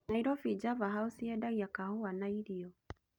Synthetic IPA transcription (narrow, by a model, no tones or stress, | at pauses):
naiɾɔfid͡ʒavaɦausiɛdaɣiakahoanaiɾiɔ